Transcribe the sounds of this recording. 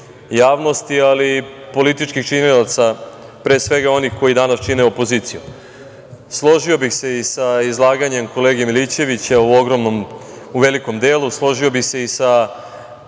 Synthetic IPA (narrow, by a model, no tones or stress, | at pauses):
jaːʋno̞st̪ialipo̞lit̪it͡ʃkixt͡ʃiɲelat̪sa | pɾe̞ːsʋe̞ɡao̞nixko̞jid̪anast͡ʃine̞opo̞ziːt̪siju | slˠo̞ʒio̞bixse̞isaizlˠaːɡaɲe̞mko̞leːɡemilit͡ɕe̞ʋit͡ɕauo̞ɡɾo̞mnom | uʋe̞liko̞md̪e̞ːlˠuslˠo̞ʒio̞bixse̞isa